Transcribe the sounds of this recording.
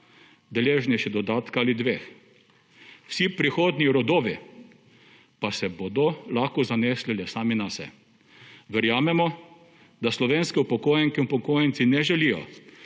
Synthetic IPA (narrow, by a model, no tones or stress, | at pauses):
d̪ɛleːʒnɛjʃɛd̪ɔd̪aːt̪kaːlid̪ʋeːx | wsipɾixoːd̪niɾɔd̪oːʋi | pasɛboːd̪ɔlaxkɔzaneslilɛsaːminasɛ̰ | ʋɛɾjaːmɛmɔ | d̪aslɔʋeːnskiupɔkoːjɛŋkiupɔkoːjɛnt̪sinɛʒɛlijɔ̰